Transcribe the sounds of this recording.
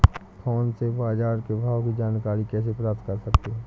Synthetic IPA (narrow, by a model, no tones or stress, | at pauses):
t̪ʰɔːnsebaːd͡ʒaːɾkebʱaːʋwkid͡ʒaːnkaːɾikɛːs̬epɾaːp̚t̪̚kəɾsəkt̪eɦɛ̃ː